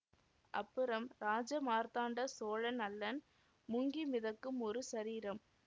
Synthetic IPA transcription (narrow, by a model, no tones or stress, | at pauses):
ʔɐ̰pːɯɾɐmɾaːd͡ʒɐmaːɾt̪aːɳɖɐsoːɻɐnɐlːɐn | mʊŋɡimɪðɐkːɯmɔɾɯsɐɾiːɾɐm